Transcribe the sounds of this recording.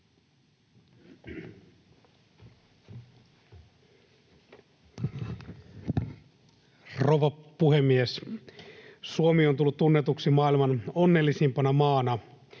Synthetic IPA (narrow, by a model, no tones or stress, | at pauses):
roʋɑpuhemːies | suomiont̪ulːut̪t̪unːet̪uksimɑːilmɑnonːelːisimpɑnɑmɑːnɑ